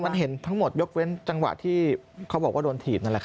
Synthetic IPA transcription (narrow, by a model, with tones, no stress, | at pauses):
ma˧nɦe˨˩˦nt̪ʰa˦˥ŋmo˨˩t̪̚jo˦˥k̚we˦˥nt͡ɕa˧ŋwa̰˨ʔt̪ʰiː˥˩kʰa˦˥wbɔː˨˩kwaː˥˩doː˧nt̪ʰiː˨˩t̚na˥nlɛ˨˩kʰ